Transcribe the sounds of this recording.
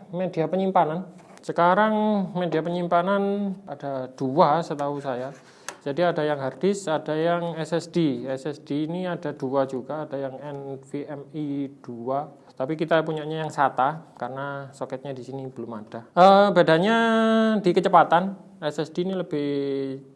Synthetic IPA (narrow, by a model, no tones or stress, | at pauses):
mediapəɲimpanan | səkaɾaŋmediapəɲimpananad̥ad̥uasət̪ausaja | d͡ʒ̥adiadajaŋɦard̥ɪsadajaŋɛsɛsd̥iɛsɛsd̥iːniadad̥uad͡ʒuɡaːd̥ajaŋɛnfiɛmid̥ua | t̪apikit̪apuɲaɲajaŋsat̪akarənasokɛt̪̚ɲadisinib̥əlʊmad̥aəbadaɲadikət͡ʃəpat̪an | ɛsɛsd̥iniləb̥ɪh